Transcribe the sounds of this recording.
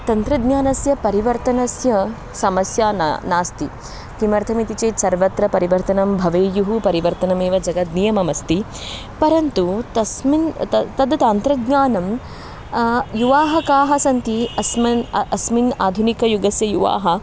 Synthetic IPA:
t̪ɐnt̪ɾɐd̪ɲaːnɐsjɐpɐɾiʋɐɾt̪ɐnɐsjɐ | sɐmɐsjaːnaːst̪i | t̪imɐɾt̪ʰɐmit̪it͡ʃeːsɐɾʋɐt̪ɾɐpɐɾiʋɐɾt̪ɐnɐmbʱɐʋeːjuɦupɐɾiʋɐɾt̪ɐnɐmeːʋɐd͡ʒɐɡɐt̪nijɐmɐmɐst̪i | pɐɾɐnt̪ut̪ɐsmint̪ɐt̪ɐd̪ɐt̪aːnt̪ɾɐɡ̪ɲaːnɐm | juʋaːɦɐkaːɦɐsɐnt̪iɐsmɐɐsminaːd̪ʱunikɐjuɡɐsjɐjuʋa̰ːɦɐ̆

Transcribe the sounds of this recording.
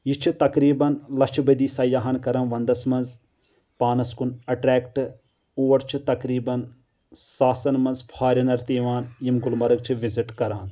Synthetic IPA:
jit͡ʃʰit̪ɐkɾiːbɐnlɐt͡ʃʰbɐd̪iːsɐjaːɦɐnkɐɾɐnʋɐnd̪ɐsmɐnz | paːnɐskunɐʈɾɛːkʈ | oːɐɾt͡ʃʰit̪ɐkɾiːbɐn | saːsɐnmɐnzfʰaːɾʲɐnɐɾt̪iːʋaːnjimɡʊlmɐɾɐɡ̚t͡ʃʰiʋɪziʈkɐɾaːn

